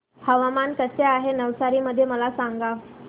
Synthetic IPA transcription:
həʋamankəseaɦenəʋsaɾiːməd̪ʱːjeməlasaŋɡa

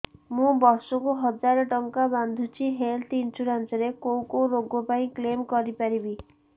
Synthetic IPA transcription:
mũbɔɾsɔkuɦɔd͡ʒaɾɔʈɔŋkaband̪ʱut͡ʃʰiɦelt̪int͡ʃuɾansɔɾekow̃koɾoɡɔpaĩklemkɔɾipaɾibi

